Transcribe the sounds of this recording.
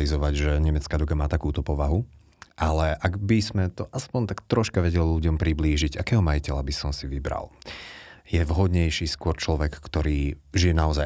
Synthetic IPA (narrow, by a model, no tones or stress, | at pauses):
lizɔʋaɟʒɛɲɛmɛt͡skaːd̪ɔɡamaːt̪akuːt̪ɔpɔʋaɦu | ʔalɛʔaɡbizmɛt̪ɔʔaspɔnt̪akt̪ɾɔʃkaʋɛɟɛliluɟɔmpɾibliːʒiɟakɛːɦɔmajicɛlabisɔmsiʋibɾa̰l | jɛvɦɔd̪ɲɛjʃiːskʊɔɾt͡ʃlɔʋɛkːt̪ɔɾiːʒijɛnaɔza